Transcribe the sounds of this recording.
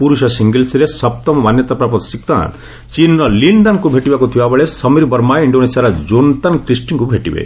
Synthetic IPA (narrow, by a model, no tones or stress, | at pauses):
puɾuʃɔsiŋɡelsiɾesɐp̚t̪ɔmɔmanjɔt̪apɾapɔt̪sik̚t̪a̰nt̪ | t͡ʃinːɔliɳɖɔnkubʱeʈibakut̪ʰibabeɭesɔmiɾbɔɾmajiɳɖonesiaɾɔd͡ʒont̪ankɾisʈiŋkubʱeʈibḛ